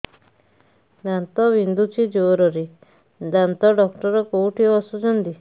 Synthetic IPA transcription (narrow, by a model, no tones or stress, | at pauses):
d̪ant̪ɔʋind̪ut͡ʃʰid͡ʒoɾɔɾi | d̪ant̪ɔɖɔkʈɔɾɔkowʈʰiɔsɔd͡ʒɔnd̪i